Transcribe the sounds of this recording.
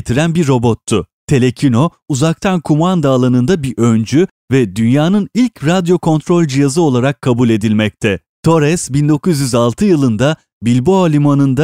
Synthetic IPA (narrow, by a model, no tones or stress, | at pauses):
t̪ʰiɾænbiɾːo̞bo̞t̪ʰːʊt̪ʰe̞lʲecʰino̞ | uzak̚t̪ʰankʰumand̪aːlˠanɯnd̪abiʔønd͡ʒy | vɛd̪ynjaːnɯnilʲcɾad̪jo̞kʰo̞nt̪ɾo̞lʲd͡ʒijazɯo̞lˠaɾakʰːabulʲe̞d̪ilʲmɛc̚t̪ʰɛ | t̪ʰo̞ɾɛsbind̪o̞kuzjyzalˠt̪ʰɯjɯlˠɯnd̪a | bilʲboalʲimanɯnd̪a